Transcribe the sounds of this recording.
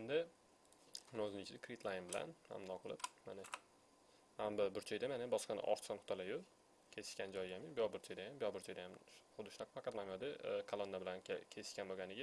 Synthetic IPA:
end̪ɪ | mnoznɪt͡ʃʰɪd̪akʰɾit̪ʰlˠajɪnbɪla̰nha̰md̪ɒqʰɨlˠɪp̚manɪ | hambɪbʊɾt͡ʃʰajd̪amanɪbɒʃqɑnɪ̰ʔɒ̰ɾt̪sɒnhʊ̥t̪ʰɒlajʊ | kʲʰe̞sɪ̥ʃkʲand͡ʒɒjɡʲamɪbjɒbʊɾt͡ʃʰajd̪ajambɪjɒbʊɾt͡ʃʰajd̪ajamχʊd̪ɪʃʊnaqʰɑfɑqʰɑt̪mamjɒd̪ɪkʰalˠonːabɪlanʲkʲʰesɪ̥ʃkʲanboɡʲanɪɡʲa

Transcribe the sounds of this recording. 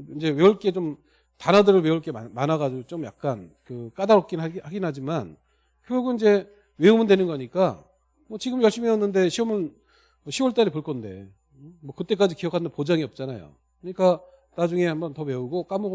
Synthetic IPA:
ind͡ʑe̞we̞uɭk͈e̞t͡ɕom | tanadɯɾɯɭweuɭk͈e̞amanaɡad͡ʑiɡot͡ɕomja̰k̚k͈ankɯk͈adaɾʌk̚k͈inhaɡinɦad͡ʑiman | kjouɡuind͡ʑe̞ | we̞umɯndwe̞nɯnɡʌɲik͈a | mʌt͡ɕiɡɯmjʌɭɕ͈imiʌnːɯnde̞ɕʰiʌmɯn | ʌɕʰiwʌɭt͈aɾipuɭk͈ʌnde̞̰ | mwʌkɯt͈e̞k͈ad͡ʑikijʌkʰanɯnpod͡ʑaŋiʌp̚t͡ɕ͈ana̰jo̰ | kɯɲik͈a | nad͡ʑuŋe̞hambʌntʌme̞uɡok͈amo

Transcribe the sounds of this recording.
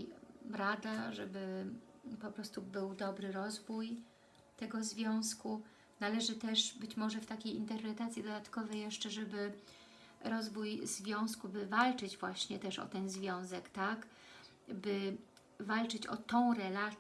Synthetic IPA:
ɾad̪aʐɛbɘ | pɔpɾɔst̪ubɘwd̪ɔbɾɘɾɔzvuj | t̪ɛɡɔzvʲjɔ̃w̃sku | nalɛʐɘt̪ɛʂbɘt͡ɕmɔʐɛft̪akʲejint̪ɛɾpɾɛt̪at̪sʲjid̪ɔd̪at̪kɔvɛjɛʂt͡ʂɛʐɛbɘ | ɾɔzvujzvʲjɔ̃w̃skubɘvalt͡ʂɘd͡ʑvwaɕɲɛt̪ɛʂɔ̰t̪ɛnzvʲjɔ̃w̃zɛkt̪ak | bɘ | valt͡ʂɘt͡ɕɔ̰t̪ɔ̃w̃ɾɛla

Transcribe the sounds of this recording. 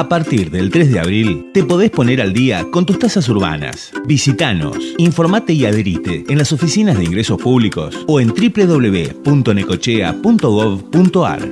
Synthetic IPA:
apaɾt̪iɾðelt̪ɾezðea̰βɾilt̪epo̞ðespo̞neɾald̪ia̰kont̪ust̪asas̬uɾβ̞a̰na̰sbisit̪ano̞̰siɱfo̞ɾmat̪eiað̞eɾit̪eːnlasofisinazðeiŋɡɾeso̞spuβliko̞̰soent̪ɾipleðo̞βleβḛpunt̪oneko̞t͡ʃea̰punt̪oɣoβpunt̪oa̰ɾ

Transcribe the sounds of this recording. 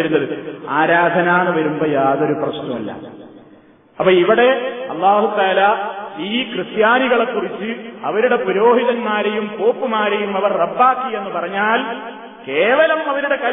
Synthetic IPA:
ɾunːɐðɨaːɾaːd̪ʱɐnaːnɨʋɐɾumboːjaːðo̞ɾuprɐɕnɐmɐ̰lːɐ̰ | ɐpːoiʋiɽe̞ɐlˠːaːɦut̪aːlaiːkrɨsjaːniɣɐɭe̞kːurit͡ɕːɨɐʋɐɾuɽe̞puɾo̞ːɦiðɐnmaːɾejumpo̞ːpːɨmaːɾejumɐʋɐrrɐbːaːkːie̞nːɨpɐrɐɲːaːl | keːʋɐlɐmɐʋɐɾuɽe̞kɐ

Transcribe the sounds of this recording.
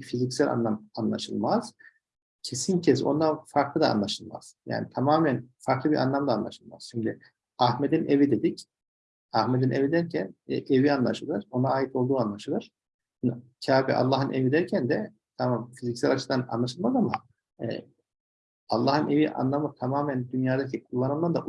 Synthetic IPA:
fizicsælʲa̰nlˠamanlˠa̰ʃɯlˠmaz̥ | cʰe̞sincʰɛso̞nd̪anfaɾklˠɯd̪a̰ːnlˠaʃɯlˠma̰z̥ja̰ːnit̪ʰamaːmænfaɾklˠɯbiɾʔa̰nlˠamd̪aːnlˠa̰ʃɯlˠma̰z̥t͡ʃʰyɲcy | ahmed̪inʔevid̪e̞d̪ic | ahmed̪inʔevid̪æɾcʰæn̰ʔevianlˠaʃɯlˠɯɾo̞naaːjit̪ʰo̞lˠd̪uːanlˠaʃɯlˠɯɾ̥ | ncʰaːbḭʔa̰lˠːaːɦɯnʔevid̪æɾcʰænd̪ɛ | t̪ʰamamfizicsælʲat͡ʃʰɯd̪ana̰nlˠaʃɯlˠmazama̰ | ɛ̰ | alˠːaːhɯne̞viʔa̰nlˠamɯt̪ʰamaːmænd̪ynjaːd̪acʰikʰulˠːanɯmld̪and̪a̰

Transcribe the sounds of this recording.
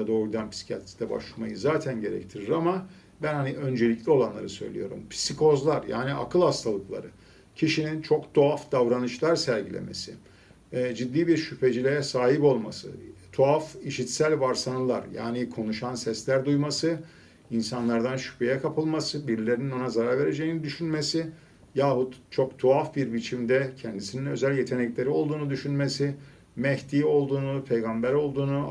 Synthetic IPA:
ad̪oːɾd̪anpʰi̥si̥cʰalt̪i̥d̪ɛba̰ʃlˠama̰jɯzaːt̪ʰænɟe̞ɾɛ̰ct̪ʰiɾiɾama | bænhaniʔø̞nd͡ʒe̞lʲiclʲio̞lˠanlˠaɾɯsø̞̰jlʲḭjo̞̰ɾṵmpʰi̥siko̞zlˠaɾja̰ːniʔa̰kʰɯlˠhast̪ʰalˠɯklˠa̰ɾɯ | cʰiʃinint͡ʃʰo̞kt̪ʰoafd̪avɾanɯʃlˠaɾsæɾɟilʲḛmʔe̞̰sḭ | ɛd͡ʒid̪ːiːbiɾʃypʰe̞d͡ʒilʲejɛsaːɦipo̞lˠmasɯ̰t̪ʰoafiʃit̪sælʲvaɾsanɯlˠa̰ɾja̰ːnikʰo̞nuʃansɛslʲæɾd̪ujmasɯ | insanlˠaɾd̪anʃy̥pʰe̞jɛkʰapʰɯlˠmasɯbiɾlʲe̞ɾininonazaɾaɾve̞ɾe̞d͡ʒejinid̪yʃynmesi | jaːhut̪t͡ʃʰo̞kt̪ʰuafbiɾbit͡ʃʰimd̪ɛcʰɛnd̪isininø̞zælʲje̞t̪ʰe̞nɛclʲe̞ɾio̞lˠd̪uːnud̪yʃynmesi | mɛçt̪ijo̞lˠd̪uːnupʰe̞jɡambæɾo̞lˠd̪uːnu

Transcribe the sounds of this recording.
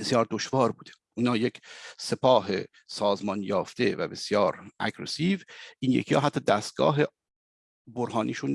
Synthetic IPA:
besjɒːɾd̪oʃvɒːɾbuːd̪̥eʔuːnɒːjecʰse̞pʰɒːɦḛ | sɒːzmɒnjɒːft̪e̞væbe̞sjɒːɾʔæ̰ɡɾḛsiːvʔiːnjekʰijɒ̰ːɦæt̪ʰːɒːd̪æːst̪̚ɡ̥ɒ̰ːɦe | boɾɦɒːnʔiːʃun

